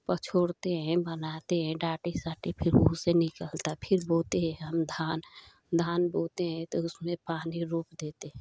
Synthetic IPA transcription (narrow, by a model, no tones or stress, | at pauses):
pət͡ʃʰoːɽt̪eɦɛ̃bənaːt̪eɦɛ̃ɖaːʈisaːʈipʰɪɾɦuːsenɪkəlt̪apʰɪɾboːt̪eɦɛ̃ɦəmd̪ʱaːn | d̪ʱaːnboːt̪eɦɛ̃t̪oʊsmẽpaːniɾuːpd̪eːt̪eɦɛ̃